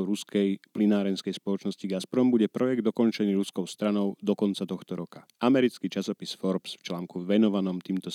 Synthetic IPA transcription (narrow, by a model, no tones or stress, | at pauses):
ɾuskɛjplinaːɾɛnskɛjspɔlɔt͡ʃnɔsciɡaspɾɔmbuɟɛpɾɔjɛɡ̚d̪ɔkɔnt͡ʃɛniːɾuskɔʊst̪ɾanɔʊd̪ɔkɔnt͡sat̪ɔxt̪ɔɾɔkaʔamɛɾit͡skiːt͡ʃasɔpisfɔɾpsft͡ʃlaːŋkuʋɛnɔʋanɔmt̪iːmt̪ɔ